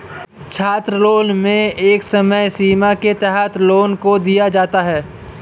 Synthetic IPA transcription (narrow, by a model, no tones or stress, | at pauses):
t͡ʃʰaːt̪ɾəloːnmẽeːksəməjsiːmaket̪ɛɦət̪loːnkod̪ijad͡ʒaːt̪aɦɛː